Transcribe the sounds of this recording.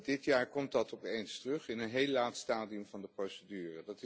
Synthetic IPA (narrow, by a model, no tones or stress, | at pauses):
dɪtjaːɹkɔmt̚dɑtɔpejnstrɵχɪnənɦejlːaːtstaːdiəmvɑndəprowsədyːrədɑtɪ